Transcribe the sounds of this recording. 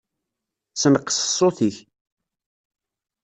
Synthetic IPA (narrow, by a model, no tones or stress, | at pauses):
sənqːə̥sə̥sˤːoθiç